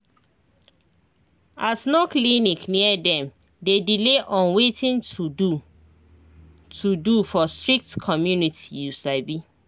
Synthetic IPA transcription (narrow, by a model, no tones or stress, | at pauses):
ʔasnoklinikniədɛ̃m | dedileʔɔ̃nwetʰĩnu | tʰudufɔstɹik̚tkʰɔmjunitʰijusaɪbi